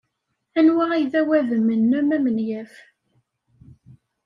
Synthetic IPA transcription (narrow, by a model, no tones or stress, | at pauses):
ænwæʁijðæwæðəmənːæmæmənjæf